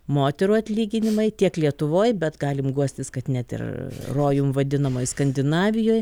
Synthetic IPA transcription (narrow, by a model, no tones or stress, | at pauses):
moːt̪ʲɛɾuːɐt̪ʲlʲiːɡʲɪnʲɪmɐɪt̪ʲiɛklʲiɛt̪ʊʋoːjbʲɛt̪ɡɑːlʲɪmɡuɔsʲt̪ʲɪskɐt̪nʲɛt̪ɪ̰rroːjʊmʋɐd̪ʲɪnɐmoːjskɐnʲd̪ʲɪnɑːʋʲɪjoːj